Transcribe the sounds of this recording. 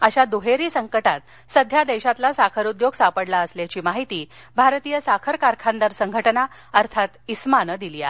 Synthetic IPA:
əɕad̪oɦeɾiːsəŋkəʈat̪ | səd̪ʱjad̪eɕat̪lasakʰəɾud̪joɡsapəɽlaəsljat͡ɕiːmaɦit̪iː | bʱaɾt̪ijəsakʰəɾkaɾkʰand̪əɾsəŋɡʱəʈəna | əɾt̪ʰat̪ismanəd̪ilia̰

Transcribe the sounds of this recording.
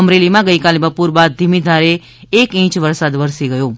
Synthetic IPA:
əmɾelimãɡəikalibəpuɾbad̪̚d̪ʱimid̪ʱaɾe | ekĩt͡ʃʋəɾsad̪ʋəɾsiɡəjo

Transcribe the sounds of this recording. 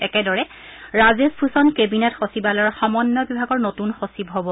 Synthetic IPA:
ɛkɛdɔɹɛ | ɹazesbʰʱusɔnkebinɛtxosibalɔɹxɔmɔnːɔbibʱaɡɔɹnotunxosibɦobɔ

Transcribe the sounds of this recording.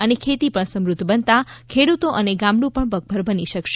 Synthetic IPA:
ənekʰet̪ipəɳsəmɾud̪ʱːbənt̪akʰeɽut̪oʔəneɡãmɽũpəɳbəɡ̚bʱəɾbəniʃəkʃ

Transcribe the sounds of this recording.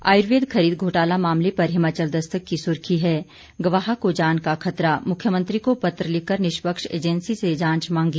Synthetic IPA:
a̰ːɪɾʋeːd̪kʰɐɾiːd̪̚ɡʱoːʈaːlamaːmlepɐɾɦɪmaːt͡ʃəld̪ɐst̪əkːisʊɾkʰiɦɛː | ɡɐʋaːɦakod͡ʒaːnkakʰɐt̪ɾamʊkʰːjəmə̃nt̪ɾikopɐt̪ɾəlɪkəɾnɪʃpəkʃḛːd͡ʒənsised͡ʒãːɲt͡ʃmãːŋɡiː

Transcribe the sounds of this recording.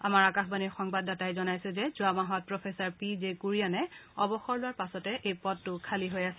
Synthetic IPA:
amaɹakaxbaniɹxɔŋbadːatajzɔnajsɛzɛzʊamaɦɔt̚pɹɔpʰɛsaɹpizekuɹijanɛɔbɔxɔɹlʊwaɹpasɔtɛʔejpɔdtʊkʰaliɦojasɛ

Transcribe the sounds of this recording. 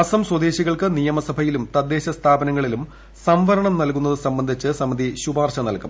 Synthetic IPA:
ɐsɐmswɐd̪eːɕiɣɐɭkɨnijɐmɐsɐbʱɐjilumt̪ɐd̪ːe̞ːɕɐst̪ʰaːbɐnɐŋːɐɭilum | sɐmʋɐɾɐɳɐmnɐlkunːɐðɨsɐmbɐnd̪ʱit͡ɕːɨsɐmːɐd̪ʱiɕubaːrɕɐnɐlkɐm

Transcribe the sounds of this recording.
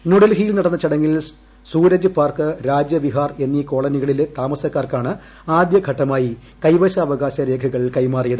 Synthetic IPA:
nuɽɐlɦijilnɐɽɐnːɐt͡ɕɐɽɐŋːil | suːɾɐd͡ʑɨpaːrkɨɾaːd͡ʑjɐʋiɦaːre̞nːiko̞ːɭɐniɣɐɭilet̪aːmɐsɐkːaːrkaːɳɨ | aːd̪jɐɡʱɐʈːɐmaːjikɐjʋɐɕɐːʋɐɣaːɕɐɾe̞ːɡʰʱɐɣɐɭkɐjmaːrijɐðɨ

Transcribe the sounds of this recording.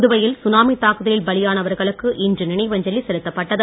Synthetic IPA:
ðɯʋɐjɪlsʊnaːmit̪ːaːkɯðɐlɪlbɐlɪjaːnɐʋɐɾɣɐɭɯkːɯʔɪndrɯnɪnɐɪʋɐɲd͡ʒɐlisɛlɯt̪ːɐpːɐʈːɐðɐ

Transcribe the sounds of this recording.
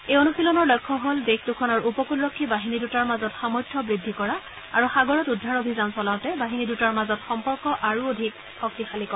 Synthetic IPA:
ejonusilɔnɔɹlɔjkʰːɔɦoldextukʰɔnɔɹupɔkulɹɔkʰːibaɦinidutaɹmazɔtxamɔjtʰːɔbɹidʱːikɔɹa | aɹuxaɡɔɹɔtudʱːaɹobʱizansɔlaʊtɛbaɦinidutaɹmazɔtxɔmpɔɹkɔʔaɹuodʱik | xɔk̚tixalikɔ

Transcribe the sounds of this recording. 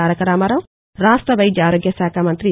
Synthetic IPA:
aːɾɐkɐɾaːmɐɾɐm | ɾaːst̪ɾɐʋɐjd̪jaːɾoɡjɐsaːkʰaːmɐnt̪ɾi

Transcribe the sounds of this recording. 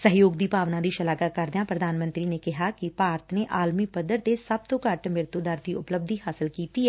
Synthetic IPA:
səɦjoːɡ̚d̪iːpaːʋnãːd̪iːʃəlaːɡakəɾd̪ejãːpɾəd̪ʱaːnmə̃nt̪ɾiːnekɪɦaːkipaːɾt̪ʰneːʔaːlmiːpəd̪ːəɾt̪esəb̚t̪õːkəʈmɪɾt̪ud̪aːɾd̪iːʊpləb̚d̪ʱiːɦaːsɪlkiːt̪iːɛː

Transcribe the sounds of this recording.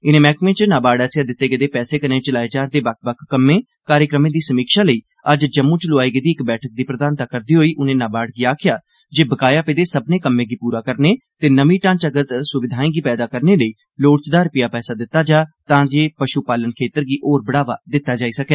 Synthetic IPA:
ɪnẽːmɛːkmẽːʈt͡ʃnaːbaːɽɛːsjaːd̪ɪt̪ːeːɡəd̪eːpɛːseːkəɾnẽːt͡ʃəlaːet͡ʃaːɾd̪eːbək̚ʰbəkʰkːəmːẽː | kaːɾjəkɾəmẽːd̪iːsəmiːkʃaːləiː | əd͡ʒd͡ʒəmːũːt͡ʃlʊaːiːɡəd̪iːɪkbɛːʈʰək̚d̪iːpɾəd̪aːnt̪aːkəɾd̪iːɦoːiːʔʊnẽːnaːbaːɽɡiːaːkʰɪjaː | d͡ʒeːbəkaːjaːped̪eːsəbneːkəmːẽːɡiːpuːɾaːkəɾneː | t̪eːnəʋĩːʈãːnt͡ʃəɡət̪sʊʋɪd̪ʱaːẽːɡiːpɛːd̪aːkəɾneːləiː | loːɽt͡ʃd̪aːɾpɪjaːpɛːsaːd̪ɪt̪ːaːd͡ʒaːt̪ãːd͡ʒeːpəʃuːpaːlənkʰeːt̪əɾɡiːʔoːɾbəɽaːʋaːd̪ɪt̪ːaːd͡ʒaːiːsəkɛː

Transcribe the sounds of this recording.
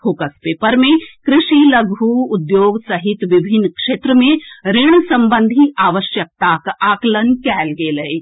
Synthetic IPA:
pʰoːkəspeːpəɾmẽkɾɪʃiləɡʱuʊd̪joːɡsɐɦɪt̪ʋɪbʱɪnːkʃeːt̪ɾəmẽɾɪɽ̃sɐ̃mbə̃nd̪ʱiaːʋəʃjək̚t̪aːkaːklənkɛːlɡeːləe

